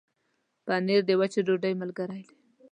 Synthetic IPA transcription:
paneɾd̪ewat͡ʃeɖoɖajmalɡaɾajle

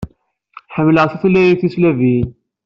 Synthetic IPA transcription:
ħəmːələʁθiθlːæjiθislævin

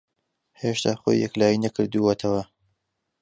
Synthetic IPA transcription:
heːʃt̪ʰaːχo̰jːɛ̰klaːjinɐkɨɾd̪uwɐt̪ʰɐwɐ

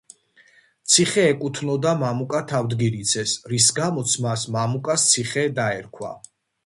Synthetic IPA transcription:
t̪sʰiχɛːkʼut̪ʰnɔd̪amamukʼat̪ʰavd̪ɡiɾit̪sʰɛsɾisɡamɔt̪sʰmasmamukʼast̪sʰiχɛd̪aɛɾkʰwa̰

